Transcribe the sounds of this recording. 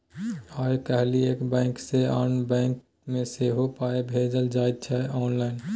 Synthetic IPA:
aːjkəɦlieːkbɛ̃ːŋksea̰ːnbɛ̃ːŋk | mẽseɦopaːebʱeːd͡ʒəld͡ʒaːjt̪̚t͡ʃʰɛɔːnlaːɪn

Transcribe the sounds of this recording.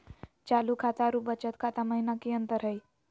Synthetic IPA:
t͡ʃalukʰat̪aɾubət͡ʃət̪kʰat̪aməɦinakiənt̪əɾɦəj

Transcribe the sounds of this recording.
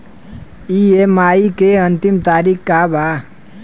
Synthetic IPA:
iemaikeənt̪imt̪aɾikkaba

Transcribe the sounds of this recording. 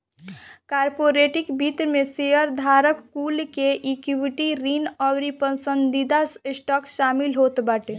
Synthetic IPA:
kaɾpoɾeʈikbit̪ɾmesejəɾd̪ʱaɾəkkːulkeʔikiwiʈiɾinɔwɾipənsənd̪id̪assʈɔkʃamilɦot̪baʈe

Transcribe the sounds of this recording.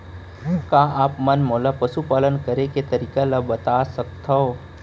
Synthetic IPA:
kaːaːpmɐnmoːlapɐʃupaːlənkɐɾeket̪ɐɾiːkalɐbɐt̪aːsɐk̚t̪ʰao

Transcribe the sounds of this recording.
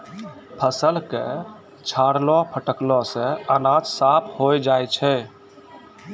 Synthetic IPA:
pʰəsəlkḛ | t͡ʃʰaɽlɔpʰəʈəklɔsẽənad͡ʒsapʰhojd͡ʒajt͡ʃʰɛ

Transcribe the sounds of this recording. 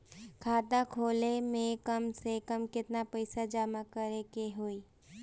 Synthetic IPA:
kʰaːt̪ãkʰoːlemẽkəmsekəmkɪt̪napəɪsad͡ʒaːmakəɾekeɦoːi

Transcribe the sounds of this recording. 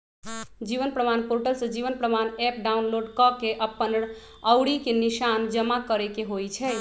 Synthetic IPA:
d͡ʒiʋənpɾəmanpoɾʈəlsə̃d͡ʒiʋənpɾəmanɛp̚ɖaunloɖkɔkeʔəpːən | əwɽikeniʃand͡ʒəmakəɾɛkeɦojt͡ʃʰɛ

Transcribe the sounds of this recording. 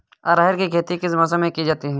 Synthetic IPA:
ɐɾaːɦɪɾkikʰeːt̪ikɪs̬mɐs̬əmẽkid͡ʒaːt̪iɦɛ̃ː

